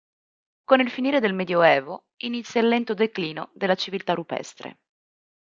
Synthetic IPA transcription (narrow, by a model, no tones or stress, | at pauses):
konilfiniːɾed̪elmed̪joɛːvo | init̪sjalːɛnt̪od̪ekliːnod̪elːat͡ʃivilt̪aɾupɛ̰st̪ɾḛ